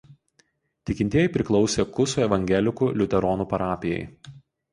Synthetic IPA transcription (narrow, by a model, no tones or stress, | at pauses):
t̪ʲɪkʲɪnʲt̪ʲiɛjɪˑpʲɾʲɪklˠɒʊsʲeːkʊsoːɛʋɐŋʲɡʲɛlʲɪkuːlʲʊt̪ʲɛɾɔːnuːpɐɾɑːpʲɪjɛ̰ɪ